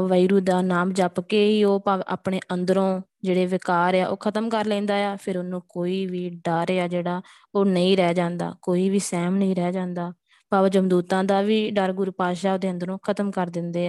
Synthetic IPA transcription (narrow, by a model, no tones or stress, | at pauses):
ʋəɾuːd̪aːnaːmd͡ʒaːpkeːiːoːpaːʋa̰ːpɳeːʔənd̪əɾõː | d͡ʒeːɽeːʋɪkaːɾaːʔo̰ːkʰət̪əmkəɾlɛ̃ːnd̪aːjaːpʰɪɾʊnũːkoːiːʋiːɖaːɾeːaːd͡ʒeːɽaː | oːnəĩːɾɛːd͡ʒãːnd̪a̰ːkoːiːʋiːsɛːmnəĩːɾɛːd͡ʒãːnd̪aː | paːʋd͡ʒəmd̪uːt̪ãːd̪aːʋiːɖəɾɡʊɾpaːʃaːod̪eːənd̪əɾõːkʰət̪əmkəɾd̪ɪnd̪eːɛː